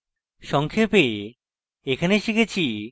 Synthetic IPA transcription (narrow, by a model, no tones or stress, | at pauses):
ʃɔŋkʰepe | ekʰaneʃikʰet͡ɕʰi